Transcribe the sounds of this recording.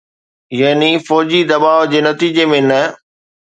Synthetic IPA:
jɐɦnifɔːd͡ʑid̪ɐbaːʋd͡ʑeːnɐt̪iːd͡ʑemẽnɐ

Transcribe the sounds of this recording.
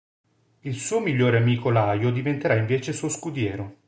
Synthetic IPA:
ilsuːomiʎːoːɾeamiːkolaːjod̪ivent̪eɾaiɱveːt͡ʃesuoskud̪jɛːɾo

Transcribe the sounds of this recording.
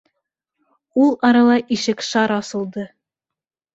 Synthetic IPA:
ulˠɑɾɑlˠɑjʔiʃɘkʃɑɾɑsɤ̆lˠd̪ɤ

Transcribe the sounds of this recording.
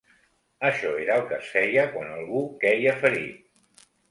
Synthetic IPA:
əʃɔeɾəːlˠkəsfɛʎəkwanəlˠɣukɛjəfəɾḭ

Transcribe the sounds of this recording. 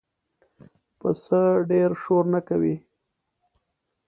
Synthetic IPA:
pəsəɖeɾʃoɾnakawi

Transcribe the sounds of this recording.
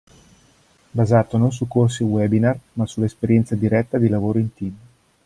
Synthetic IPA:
bazaːt̪onons̬ukːors̬iwɛbinarmasulaespeɾjɛnt̪sad̪iɾɛt̪ːad̪ilavoːɾoint̪iːm

